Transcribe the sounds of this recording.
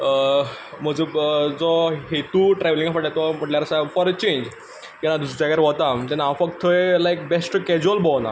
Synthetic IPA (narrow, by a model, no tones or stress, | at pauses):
əm̤əd͡zəd͡zɔɦet̪ũʈɾɛʋlĩŋɡafəɽʈat̪ɔm̤əʈljaɾsafɔɾət͡ɕẽɲd͡ʑ | k̪anad̪ussakaɾʋɔt̪at̪ɛ̃nãfəkt̪ʰəelajk̚besʈkɛd͡ʑuəlbɔwna̰